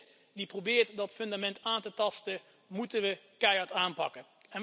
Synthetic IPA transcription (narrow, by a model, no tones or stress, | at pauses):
diprobɪːɹtdɑtfɵndamɛntaːntətɑstə | mutənʋəkɛjɑɹtaːnpɑ̰kən | ɛn